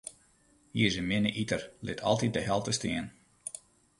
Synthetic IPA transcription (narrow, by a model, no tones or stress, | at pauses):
jiəzəmɪnəʔitərlɪtʰɑ̰lˠtit̚dəɦɛlˠtəstɪən